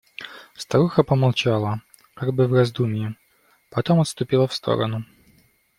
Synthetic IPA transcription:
st̪ɐɾuxəpəmalˠt͡ɕalˠə | kaɡ̚bɨvrɐzd̪umʲɪjɪ | pɐt̪omɐt̪st̪ʊpʲilˠəfst̪ʰo̰ɾə̰nʊ

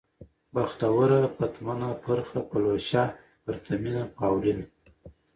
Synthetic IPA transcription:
baxt̪awəɾapat̪manapʰəɾxapaloʃɑ | pəɾt̪ʰaminapawlin

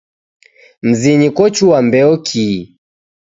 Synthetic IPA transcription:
m̩ziɲikɔt͡ʃuwambɛɔkʰi

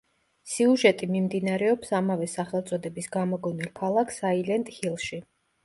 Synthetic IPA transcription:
siuʒɛt̪ʼimimd̪inaɾɛɔpsamavɛsaχɛlˠt̪sʼɔd̪ɛbisɡamɔɡɔnilˠkʰalˠakʰsailɛnt̪ʼhilˠʃi

